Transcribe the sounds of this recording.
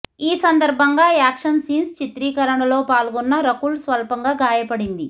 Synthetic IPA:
iːsɐnd̪ɐɾbʱɐŋɡaːaːkʂɐnsiːnst͡ʃit̪ɾiːkɐɾɐɳɐlo̞ːpaːlɡunːɐɾɐkuːlsʋɐlpɐŋɡaːɡaːjɐpɐɽind̪i

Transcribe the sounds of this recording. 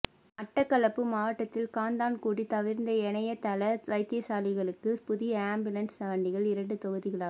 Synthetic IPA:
ɐʈːɐkːɐɭɐpːɯmaːʋɐʈːɐt̪ːɪlkaːnd̪aːnkuːɽit̪ɐʋɪɾnd̪ɐɛnɐjɐt̪ɐlɐʋɐɪt̪ːɪjɐsaːlɪɣɐɭɯkːɯpʊðɪjɐaːmbjɯlɐnsɐɐɳɖɪɣɐɭɪɾɐɳɖɯt̪ɔɣɯðɪɣɐɭaːɣ

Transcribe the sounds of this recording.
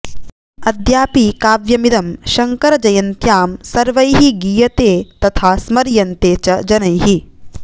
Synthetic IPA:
ɐd̪ʱjaːpikaːʋjɐmid̪ɐmʃɐŋkɐɾɐd͡ʒɐjɐnt̪jaːmsɐɾʋɐjɦiɡijɐt̪eːt̪ɐt̪ʰaːsmɐɾjɐnt̪eːt͡ʃɐd͡ʒɐnɐjɦi

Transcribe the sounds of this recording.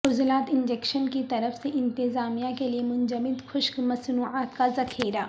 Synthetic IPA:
ʊzlaːt̪ɪ̃nd͡ʒeːkʃənkit̪ɐɾəfseʔɪ̃nt̪ɪzaːmijakeliemʊ̃nd͡ʒəmɪd̪xʊʃkmɐsnuːʕaːt̪kazɐxʰeːɾaː

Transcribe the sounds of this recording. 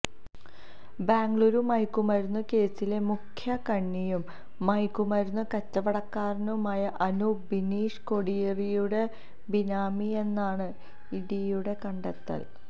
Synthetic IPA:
baːŋɡɭuːɾumɐjkːumɐɾunːɐke̞ːsːile̞mukʰjɐkɐɳːijumː | ɐjkːumɐɾunːɐkɐtːɐʋɐɽɐkːaːrɐnɐmaːjɐʔɐnubiniːʂkoɽijerijuɽe̞ | binaːmie̞nːaːɳɨ | iɽijuɽe̞kɐɳɖɐt̪ːɐ̰l

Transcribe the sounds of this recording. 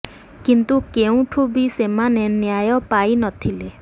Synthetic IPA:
kint̪ukeũʈʰubisemanenjajɔpajnɔt̪ʰile

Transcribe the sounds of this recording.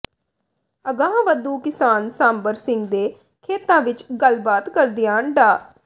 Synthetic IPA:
əɡãːʋəd̪ũːkɪsaːnsãːmbəɾsɪ̃ŋɡd̪eː | kʰeːt̪ãːʋɪt͡ʃɡəlbaːt̪kəɾd̪ɪjãːəɳɖaː

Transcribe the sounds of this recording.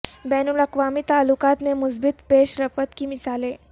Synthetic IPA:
bɛːnʊlɐkʋaːmit̪aːlːʊkaːt̪mẽmʊs̬bɪt̪peːʃɾɐfət̪kimɪsaːleː

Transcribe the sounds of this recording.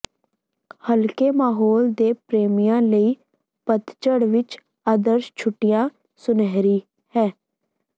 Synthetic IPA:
həlkeːmaːɦoːld̪eːpɾeːmɪjãːləiː | pət̪t͡ʃəɽʋɪt͡ʃ | aːd̪əɾʃt͡ʃʰʊʈːɪjãː | sʊnɛːɾiː | hɛ̃ː

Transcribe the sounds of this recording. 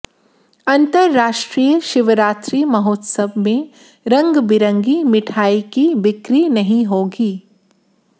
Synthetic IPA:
ɐ̃nt̪əɾːaːʃʈɾiːjəʃɪʋəɾaːt̪ɾiːmɐɦoːt̪səbʱmẽ | ɾɐ̃ŋɡbɪɾə̃ŋɡimɪʈʰaːikiʋɪkɾinɐɦĩɦoːɡiː

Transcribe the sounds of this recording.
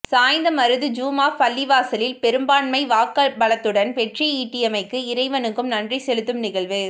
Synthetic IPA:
saːjɪnd̪ɐmɐɾɯðɯd͡ʒuːmaːpɐlːɪʋaːsɐlɪlpɛɾɯmbaːɳmɐɪʋaːkːɐbɐɭɐt̪ːɯɽɐnʋɛʈriiːʈːɪjɐmɐɪkːɯɪɾɐɪʋɐnɯkːɯmnɐndrisɛlɯt̪ːɯmnɪɣɐɭʋɯ

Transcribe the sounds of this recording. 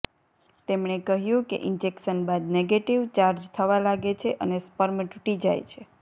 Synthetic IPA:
t̪emɳekəɦjũkḛʔɪnd͡ʒekʃənbad̪neɡeʈiʋt͡ʃaɾd͡ʒt̪ʰəʋalaɡet͡ʃʰeʔənespəɾmʈuʈid͡ʒajt͡ʃʰe

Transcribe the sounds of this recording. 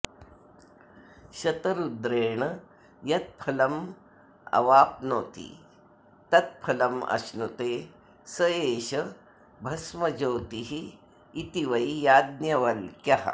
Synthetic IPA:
ɕɐt̪ɐɾud̪ɾeːɳɐ | jɐt̪̚pʰɐlɐm | ɐ̰ʋaːp̚noːt̪ḭː | t̪ɐt̪̚pʰɐlɐmʔɐ̰snut̪eː | sɐjeːɕɐ | bʱɐsmɐd͡ʒoːt̪iɦiː | t̪iʋɐjijaːd̪̚njɐʋɐlkjɐɦɐ̰

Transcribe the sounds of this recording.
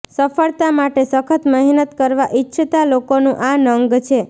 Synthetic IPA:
səfəɭt̪amaʈesəkʰət̪məɦnət̪kəɾʋaʔitːʃʰət̪alokonũʔanəŋɡt͡ʃʰe

